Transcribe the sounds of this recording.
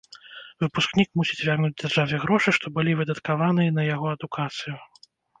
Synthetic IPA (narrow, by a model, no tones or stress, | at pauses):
vɨpusknʲikmusʲit͡sʲvʲarnud͡zʲd͡zʲarʐavʲɛɣɾɔʂɨʂt̪ɔbɨlʲivɨd̪ɐt̪kavan̪ɨjɐnɐjaɣɔɐd̪ukʰat̪sɨju